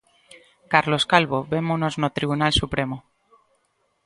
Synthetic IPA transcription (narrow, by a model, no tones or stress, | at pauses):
kaɾlo̞skalβoβe̞monoznot̪ɾiβunalsupɾe̞mo